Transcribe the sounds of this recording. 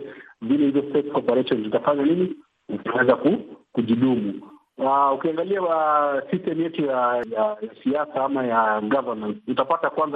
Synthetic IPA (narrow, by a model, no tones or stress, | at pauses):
vilɛhivɔspɛksɔpɛɾɛʃɔnzitafaɲanini | ukawɛzakukuʄiɗumu | aukiaŋɡaliasistɛmujɛtujajasiasaːmajaɡavaɾmantutapatakwanza